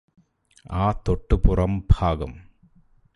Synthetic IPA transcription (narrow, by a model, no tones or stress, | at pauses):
aːt̪oʈːɨpʊrɐmbʱaːɡɐm